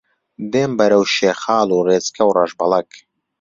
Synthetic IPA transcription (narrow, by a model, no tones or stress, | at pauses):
d̪eːmbɐɾɐwʃeːxaːluːɣeːt͡skʰɐwrɑʒbɐlˠɐk